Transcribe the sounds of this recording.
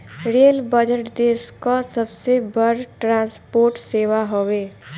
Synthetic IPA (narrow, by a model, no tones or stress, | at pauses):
ɾeːlbəd͡ʒəʈd̪eːskasəbsebəɾʈɾãːnspoːɾʈseːʋaɦoʋeː